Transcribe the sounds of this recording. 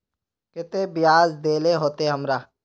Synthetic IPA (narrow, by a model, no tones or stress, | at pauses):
kɪt̪ebɪjaːzd̪eːleɦoːt̪eɦɐmɾaː